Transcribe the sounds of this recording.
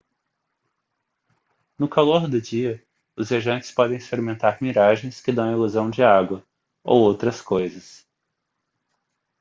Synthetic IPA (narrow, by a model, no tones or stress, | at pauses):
nʊkaloɾd̪ʊd͡ʒiɐ | ʊzviaʒɐ̃nt͡ʃɪ̥spɔd̪ẽj̃sfeɾmẽnt̪aɾmiɾaʒẽj̃skɪd̪ɐ̃w̃ɐiluzɐ̃w̃d͡ʒɪaɡwɐ | o̰wowt̪ɾɐskojzɐs